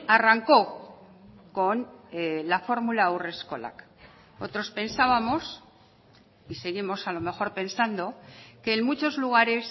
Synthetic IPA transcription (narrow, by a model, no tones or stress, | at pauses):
araŋko̞ | ko̞nlafo̞ɾmulaure̞sko̞la̰k | o̞t̪ɾo̞spe̞nsaβamo̞s | ise̞ɣimo̞salo̞me̞xo̞ɾpe̞nsand̪o̞ke̞ːnmut͡ʃo̞zluɣ̞aɾe̞s